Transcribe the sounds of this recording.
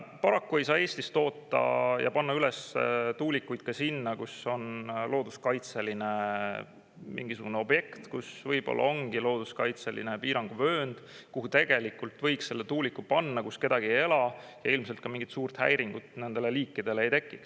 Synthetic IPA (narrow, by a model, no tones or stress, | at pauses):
pɑɾɑkːue̞jsɑːeːst̪ist̪o̞ːt̪ːɑ̰jɑ̰pɑnːɑyle̞st̪uːlikːujd̪̥̚kɑsinːɑkuso̞nlo̞ːd̪̥uskɑjt̪se̞line̞ | mḭŋɡisuɡuneo̞bje̞kt̪kusvɤjb̥o̞̰lːɑ̰o̞ŋɡ̥ilo̞ːd̪̥uskɑjt̪selḭnepiːɾɑŋɡ̥uvøːnd̪̥kuɦut̪e̞ɡ̥e̞likːult̪vɤ̞jksːe̞lːe̞t̪uːlikːˑupɑnːɑkuske̞d̪̥ɑɡ̥ieje̞lɑjɑ̰ilmselt̪̚kɑmiŋɡ̥it̪suːrt̪hæ̰jɾiŋɡ̥ut̪ːˑne̞nd̪̥e̞le̞liːkːid̪̥e̞leejt̪e̞kːˑiks